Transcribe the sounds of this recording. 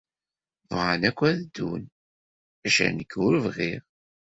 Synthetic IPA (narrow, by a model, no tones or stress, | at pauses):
vʁanækʷːæðd̪ːun | æʃæ̰nəkːʊɾvʁiʁ